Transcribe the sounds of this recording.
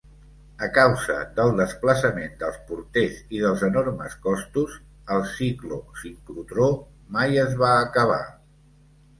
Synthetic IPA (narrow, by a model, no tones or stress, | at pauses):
əkawzə̰d̪əlˠd̪əspləsəmend̪əlˠspuɾt̪eziðəlˠzənoɾməskɔst̪uz | əlˠsiklusimpɾut̪ɾo | majəzβaːkəβ̞a̰